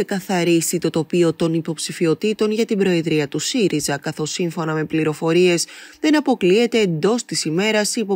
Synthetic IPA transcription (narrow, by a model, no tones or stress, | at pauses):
ekɐθɐɾisit̪o̞t̪o̞pio̞t̪o̞nipo̞psifio̞t̪it̪o̞nʝɐt̪ibɾo̞e̞ðɾiɐt̪usiɾʔizɐkɐθo̞siɱfo̞nɐme̞pliɾo̞fo̞ɾie̞sðe̞nɐpo̞klie̞t̪e̞ːnd̪o̞st̪isime̞ɾɐsipo